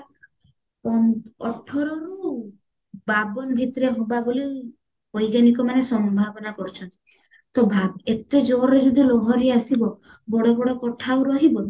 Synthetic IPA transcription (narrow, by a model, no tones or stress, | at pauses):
ɔɔʈʰɔɾɔɾu | babɔnbʱit̪ɔɾeɦobaboli | ɔjɡanikɔmanesɔmbʱabɔnakɔɾt͡ʃʰɔnt̪i̥ | t̪ɔbʱaet̪ed͡ʒɔɾɾed͡ʒɔd̪ilɔɦɔɾiasibɔbɔɽɔbɔɽɔkɔʈʰauɾɔɦibɔ